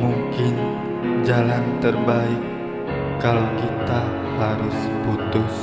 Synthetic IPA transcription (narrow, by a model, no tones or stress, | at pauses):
muŋkɪn | d͡ʒalant̪ərbaɪkː | alawkit̪a | haɾʊs | put̪ʊs